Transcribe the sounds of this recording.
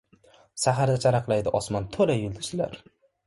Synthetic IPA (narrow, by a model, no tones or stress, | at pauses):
saɦaɾd̪at͡ʃʰaɾɑqlˠajd̪ɪʔɒsmant̪ʰolajʊlˠd̪ɪʃɪla̰ɾ